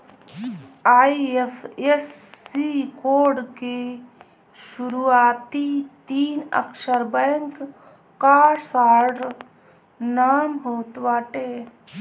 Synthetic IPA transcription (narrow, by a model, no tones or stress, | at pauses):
aːiepʰesːikoːɾɖke | ʃʊɾuaːt̪it̪iːnə̰kʃəɾbɛːŋkː | aːɾsaːɖ | naːmɦoːt̪waːʈeː